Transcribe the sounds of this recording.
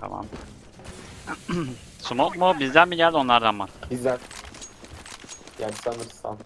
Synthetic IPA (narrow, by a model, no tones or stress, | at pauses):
t̪ʰa̰ma̰m | sumot̪mubizd̪ænbiɟælʲd̪o̞nlˠaɾd̪anvaɾbizæɾ | janisanɯɾsa̰n